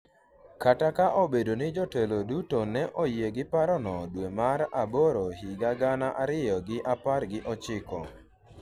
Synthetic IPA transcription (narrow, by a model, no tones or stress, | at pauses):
katakaʔobedonɪd͡ʒɔtelodutonɛʔojeɡɪpaɾɔnɔdwemaɾaboɾohiɡaɡanaʔaɾɪjɔɡɪʔapaɾɡɪʔɔt͡ʃɪkɔ̰